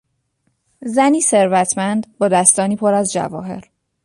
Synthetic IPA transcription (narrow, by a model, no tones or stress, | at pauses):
zæniːse̞ɾvæt̪ʰmænd̪bɒːd̪æst̪ɒːniːpʰoɾæzd͡ʒæ̰vɒ̰ːɦe̞̰ɾ